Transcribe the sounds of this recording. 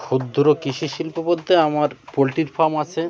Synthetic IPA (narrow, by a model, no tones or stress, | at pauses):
ʃud̪ʱːɾokiʃiʃilpopod̪ʱːeamaɾpolʈiɾfaɾmat͡ɕʰe